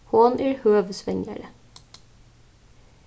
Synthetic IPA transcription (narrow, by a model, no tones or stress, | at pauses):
hoːnæːɾhøːʋəsʋɛŋə̰ɭə